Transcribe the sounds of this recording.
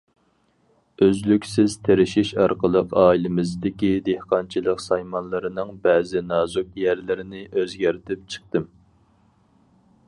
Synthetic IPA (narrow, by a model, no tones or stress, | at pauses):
øzlykʲsɪzt̪ʰeɾɪʃiʃɑɾqəlˠəqɑːilɪmɪzd̪ɪkʲid̪ehqɑnt͡ʃʰilˠəqsɑjmɑnlˠɨɾɨnɨŋbɛːzɪnɑːzuk̚jæɾlɪɾɪnɪʔøzɡʲæɾt̪ʰɪpt͡ʃʰə̥χ̚t̪ɨm